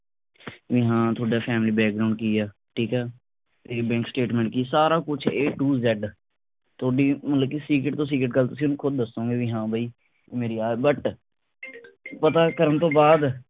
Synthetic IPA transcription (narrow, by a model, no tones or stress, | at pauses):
ʋiɦãːt̪ʰoːɖaːpʰɛːmliːbɛːk̚ɡɾaːʊ̃ɳɖ̚kiːaː | ʈʰiːkɛː | t̪eːbɛ̃ːŋksʈeːʈmɛ̃ːɳʈ̚kiːsaːɾaːkʊt͡ʃʰeːʈuːzɛɖ | t̪ʰoːɖiːmət̪ləb̚kiːsiːkɾɪʈ̚t̪õːs̬iːk̬ɾɪʈ̚ɡəlt̪ʊsĩːʊnũːkʰʊd̪̚ːəsõːɡeːʋiːɦãːbʱaːiː | meːɾiːaːbəʈ | pət̪aːkəɾənt̪õːbaːd̪